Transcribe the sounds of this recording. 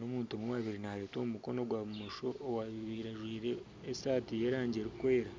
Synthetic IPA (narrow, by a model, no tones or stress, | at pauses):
nomuːntomuwaβiɾinaɾeːtomuko̞no̞ɡwaβumoʃo̞ːwaiβiːɾaʒwiːɾe̞ː | saːtijeɾaːɲɟeɾikwe̞ːɾa